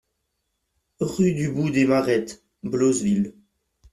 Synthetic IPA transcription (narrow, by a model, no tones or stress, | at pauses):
ʁyd̪ybud̪emaʁɛt̪ | blozvil